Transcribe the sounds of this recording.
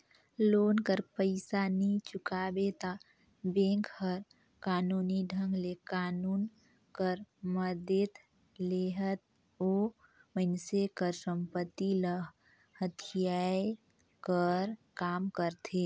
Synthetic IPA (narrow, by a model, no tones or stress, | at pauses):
loːnkəɾpəɪsanit͡ʃʊkaːbet̪a | bẽːŋkhəɾ | kaːnuːniɖʱə̃ŋɡlekaːnuːn | kəɾməd̪et̪ | leɦət̪̚ | oː | mənsekəɾsə̃mpət̪ːiləɦ | hət̪ʰijae | kəɾkaːmkəɾt̪ʰe